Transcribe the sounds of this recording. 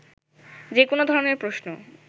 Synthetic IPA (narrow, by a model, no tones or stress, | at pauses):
d͡ʑekonod̪ʱɔɾoneɾpɾosno